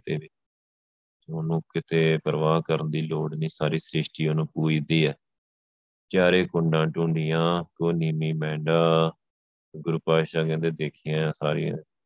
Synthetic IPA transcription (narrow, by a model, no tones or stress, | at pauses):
t̪eːʋɪt͡ʃ | oʊnũːkɪt̪eːpəɾʋaːɦkəɾənd̪iːloːɽniːsaːɾiːsɾɪʃʈiːonũːpuːid̪iːɛː | t͡ʃaːɾeːkʊɳɖãːʈũːɳɖɪjãːkoːniːmiːmɛ̃ːɳɖaː | ɡʊɾpaːʃaːkɛ̃ːnd̪eːd̪eːkʰɪjãːsaːɾɪ̰jã̰ː